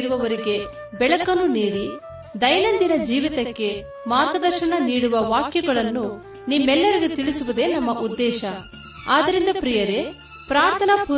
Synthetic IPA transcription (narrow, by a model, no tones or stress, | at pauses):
ɾuʋɐʋɐɾiɡe̞ | bɛɭɐkɐnːuniːɽi | d̪ɐjnɐnd̪inɐd͡ʒiːʋit̪ɐkːe̞ | maːt̪ɐd̪ɐɾʃɐɳɐniːɽuʋɐʋaːkjɐɡɐɭɐnːu | nimːɛlːɐɾiɡet̪iɭisuʋud̪e̞ːnɐmːɐʔud̪ːɛːʃɐ | aːd̪ɐɾind̪ɐpɾijɐɾe̞ | pɾaːɾt̪ʰɐnɐpu